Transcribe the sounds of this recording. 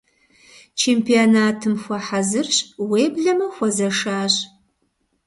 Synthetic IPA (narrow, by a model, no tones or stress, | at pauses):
t͡ʃʰeːmpʰionaːtʰɨmxʷɐħazɨrɕweːbɮɐmɐxʷɔzɐʂaːɕ